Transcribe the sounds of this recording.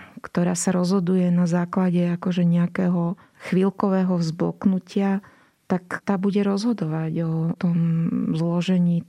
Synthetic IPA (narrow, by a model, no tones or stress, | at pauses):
kt̪ɔɾaːsaɾɔzɦɔd̪ujɛnazaːklaɟɛakɔʒɛɲɛakɛːɦɔ | xʋilkɔʋɛːɦɔvzbɔ̰knucɪa | t̪akt̪aːbuɟɛɾɔzɦɔd̪ɔʋaɟɔt̪ɔmzlɔʒɛɲiː